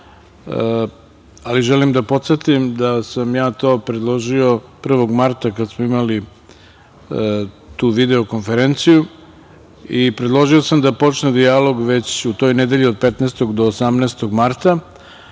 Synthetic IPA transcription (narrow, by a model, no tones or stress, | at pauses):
aliʒelimd̪apo̞t̪se̞t̪imd̪asamjaːt̪o̞ːpɾed̪lˠo̞ʒio̞pr̩ʋo̞ɡmaɾt̪akad̪smoimali | t̪uːʋid̪e̞oko̞nfe̞ɾent̪siju | ipɾed̪lˠo̞ʒio̞samd̪apo̞t͡ʃned̪ijalo̞ɡʋe̞t͡ɕut̪o̞jned̪e̞ʎio̞d̪̚pet̪nɛːst̪o̞ɡd̪oːsamnɛːst̪oɡmaɾt̪a